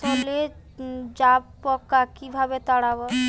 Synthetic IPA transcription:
ɔle | d͡ʒappːɔkakibʱabet̪aɽabɔ

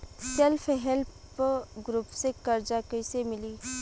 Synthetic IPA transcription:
selpʰɦelp | ɡɾupsekɐɾd͡ʒakəɪsemɪliː

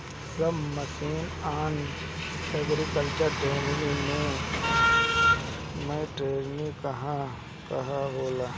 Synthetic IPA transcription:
səmməsiːnaːn | əɡɾikəlt͡ʃəɾʈeːɾnimẽ | mẽʈeːɾnikɐɦã | kɐɦaɦoːlaː

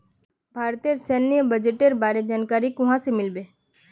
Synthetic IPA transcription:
bʱaːɾt̪ijəɾsɛːnːijəbəd͡ʒeʈeɾbaːɾed͡ʒaːnkaːɾikʊɦãsemɪlbeː

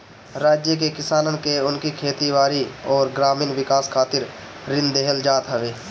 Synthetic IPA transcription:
ɾaːd͡ʒjəkekɪsaːnənkeʊnkikʰeːt̪iwaːɾiɔːɾɡɾaːmiːnʋɪkaːskʰaːt̪ɪɾ | ɾɪ̃nd̪eɦəld͡ʒaːt̪ɦəʋeː

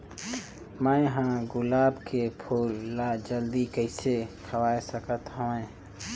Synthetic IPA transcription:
mə̃ẽɦãɡʊlaːbkepʰoːlːad͡ʒəld̪ikəɪsekʰəwaːesəkət̪ɦoẽː

